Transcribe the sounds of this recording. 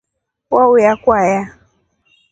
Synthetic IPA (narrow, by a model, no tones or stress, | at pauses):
kwaujakwaja